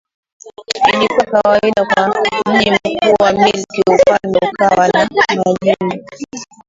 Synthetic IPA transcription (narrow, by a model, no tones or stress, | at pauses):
ilikakawaiɗakwam̩ʄim̩kuːwamilkiupalmɛkawanamaʄiimi